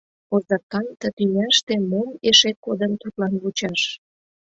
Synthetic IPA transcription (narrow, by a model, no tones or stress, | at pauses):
ozɑkɑnt̪ə̆t̪ynæʃt̪emomeʃet̪̚kod̪ənt̪ut̪lɑnβut͡ɕɑʃ